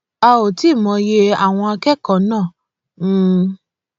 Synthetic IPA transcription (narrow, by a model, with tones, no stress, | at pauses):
a˧o˨ti˨˦˨mɔ̃˨˧je˧a˦˨w̃ɔ̃˧a˧kɛ˦kɔ̃˨˦nãː˦˨˦